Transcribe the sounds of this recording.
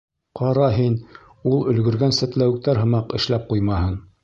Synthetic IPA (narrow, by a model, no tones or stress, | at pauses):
qɑɾɑɦin | ulˠɵ̆lɡɵ̆ɾɡænsæ̆t̪læwɘ̆k̚t̪æɾɦɤ̆mɑqɘ̆ʃlæp̚qujmɑhɤɴ